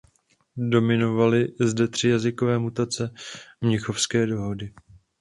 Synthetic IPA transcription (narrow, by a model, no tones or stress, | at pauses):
do̞mɪno̞valɪzdɛt̪r̝̥ɪjazɪkovɛːmut̪at͡sɛmɲɪxo̞fskɛːdo̞ɦo̞dɪ